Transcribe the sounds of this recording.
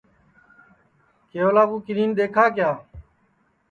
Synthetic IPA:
keːoːlaːɡuːkɪɾiːnɗ̪eːkʰaːkjaː

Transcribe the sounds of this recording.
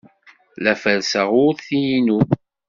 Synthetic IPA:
læfælsəʁʊɾθijinu

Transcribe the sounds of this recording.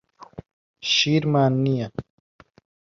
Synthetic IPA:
ɕiːɾmaːnːija

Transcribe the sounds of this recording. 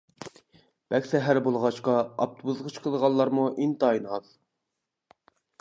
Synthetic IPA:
b̥ɛkʲsɛɦæɾbolˠʁɑʃqɑɑ̰p̚t̪ʰubuzʁət͡ʃqʰəlˠʁɑnlːˠɑɾmuʔint̪ɑːinɑz

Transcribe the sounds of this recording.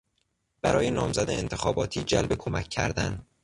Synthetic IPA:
b̥æɾɒːjenɒːmzæd̪eent̪ʰexɒːbɒːt̪ʰiːd͡ʒælbekʰomæcʰːæ̰ɾd̪æn

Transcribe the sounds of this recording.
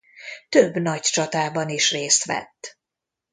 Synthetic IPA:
t̪øbːnɒct͡ʃɒt̪aːbɒniʃreːst̪ʋɛ̰t̪ː

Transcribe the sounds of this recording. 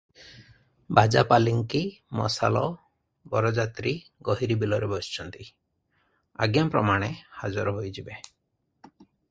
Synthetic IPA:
bad͡ʒapaliŋkimɔ̰sa̰lɔ | bɔɾɔd͡ʒat̪ɾiɡɔɦiɾibilɔɾebɔst͡ʃʰɔnt̪i | a̰ɡjampɾɔmaɽ̃ehad͡ʒɔɾɔɦojd͡ʒibe

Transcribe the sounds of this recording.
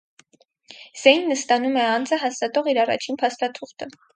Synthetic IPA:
z̥ɛjnːəst̪ɑnumɛɑnd͡zəɦɑst̪ɑt̪ɔʁiɾɑrɑ̰t͡ʃʰinpʰɑst̪ɑt̪ʰuχt̪ə

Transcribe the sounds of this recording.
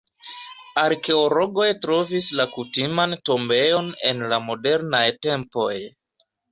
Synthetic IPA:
aɾke̞olo̞ɡo̞jtɾo̞vislakutimanto̞mbe̞jo̞ne̞̰nlamo̞de̞ɾnajte̞mpo̞j

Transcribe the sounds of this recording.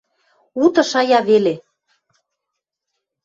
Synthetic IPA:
ut̪ɤ̆ʃɑjɑβele

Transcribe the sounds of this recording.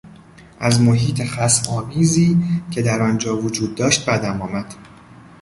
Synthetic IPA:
ʔæzmoɦiːt̪ʰexæsɒːmiːziːcʰe̞d̪æɾɒːnd͡ʒɒːvod͡ʒuːd̪ːɒːʃt̪̚bæd̪æmɒːmæd̪̥

